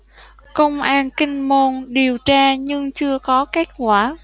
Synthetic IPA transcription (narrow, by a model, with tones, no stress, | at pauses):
kə˧wŋ͡mʔaː˧nkï˧ŋ̟mo˧nɗi˨˩əwt͡ɕaː˧ɲɨ˧ŋt͡ɕɨ˧əkɔ˨˦ke˦˥t̚kwaː˧˩